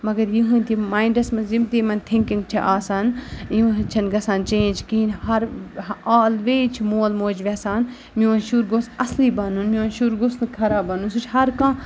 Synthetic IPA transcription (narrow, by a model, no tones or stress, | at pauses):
mɐɡɐɾjiɦũnʲt̪ʰimaːiɳɖɐsmɐnzimt̪imɐnt̪ʰĩŋkĩŋɡ̚t͡ʃʰiʔaːsaːnjĩt͡ʃʰɐnɡɐsaːnt͡ʃẽːnd͡ʒkiːnhɐɾaːlʋeːt͡ʃʰimoːlmoːd͡ʒʋɛsaːn | miʋɐnʃuːɾɡosɐsliːbaːnunmiʋɐnʃuɾɡosnɨkʰɐɾaːbɐnunsut͡ʃʰɦɐɾkãː